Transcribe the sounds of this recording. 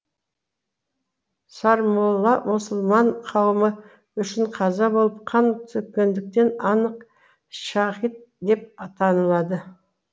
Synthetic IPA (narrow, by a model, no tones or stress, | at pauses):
sɑɾmolˠːɑmʊsʊlˠmɑɴqʰɑwəmə | ʏʃɪɴqʰɑzɑbolˠəp̚qʰɑnt̪ʰʏkʲːe̞nd̪ɪk̚t̪e̞nɑnəq | ʃɑχit̪̚d̪e̞p̚ɑt̪ʰɑnəlˠɑd̪ə